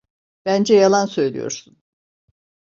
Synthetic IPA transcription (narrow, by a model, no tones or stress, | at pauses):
b̥ænd͡ʒɛjalˠansø̞jlʲḭjo̞̰ɾsun